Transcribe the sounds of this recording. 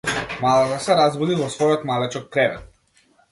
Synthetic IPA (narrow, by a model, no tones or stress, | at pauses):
malˠat̪asɛɾazbɔd̪ivɔsvɔjɔt̪malɛt͡ʃɔk̚kɾɛvɛt̪̚